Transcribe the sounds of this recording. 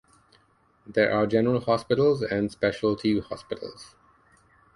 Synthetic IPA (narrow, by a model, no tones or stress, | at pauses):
d̪eːɹʔaːd͡ʒɛnəɹəlhɔːspɪʈəlzɛ̃ɳɖspɛʃəlʈʰiːʋhɔ̰ːspɪʈʰə̰lz̥